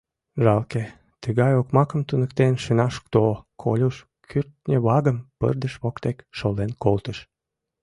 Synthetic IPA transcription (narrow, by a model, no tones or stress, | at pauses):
ʒɑlke | t̪əɣɑjokmɑkəmt̪unəkt̪enʃənɑʃk̚t̪okʰo̰lʲuʃ | kʰyrt̪nʲəβɑɣəmpə̰rd̪əʃβokt̪ekʃolenkolt̪əʃ